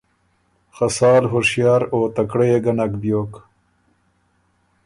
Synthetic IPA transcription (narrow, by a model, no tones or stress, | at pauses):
xɐsɑːlɦʊɾʂjɑːɾoːt̪ɐkɽejeɡɐnakbjoːk